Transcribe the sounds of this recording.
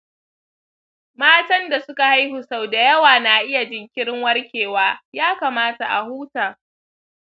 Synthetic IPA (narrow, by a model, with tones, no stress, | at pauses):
maː˦tɐ˦nda˨sʊ˦ka˨ha˦jhʊ˨sa˦˨wda˨jɐ˦waː˨na˨ʔɪ˦ja˨d͡ʒɪ˨ŋkʲɪ˦ɽɪ˦ŋwɐ˦rkʲeː˨waː˦jaː˦kaː˨maː˦ta˨ʔa̰˨huː˦taː˨